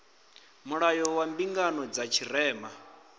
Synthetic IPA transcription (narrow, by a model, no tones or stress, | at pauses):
muɺajɔwambiŋɡanɔd͡zat͡ʃʰiɾɛːma